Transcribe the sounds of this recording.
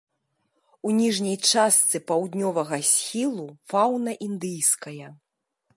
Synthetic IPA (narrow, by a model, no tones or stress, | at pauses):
unʲiʐnʲɐjt͡ʂast̪sɨpawd̪ʲnʲɔvɐɣɐsʲxʲilˠufawnɐʔind̪ɨjskɐjɐ